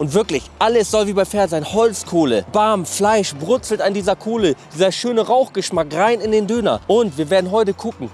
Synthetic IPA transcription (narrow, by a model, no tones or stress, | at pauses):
ʔʊntv̥ɪɐklɪçʔaləsz̥ɔlviːbaɪfɛːɐzaɪnhɔlt͡skʰoːləb̥aɐmflaɪʃbʁʊt͡sl̩tandiːzɐkʰoːlə̥iːzɐʃøːnəʁaʊxɡ̥əʃmakʁaɪnɪndeːndøːnɐ̰ʔʊntviːɐveːɐdn̩ɦɔʏtəkʰʊkŋ̩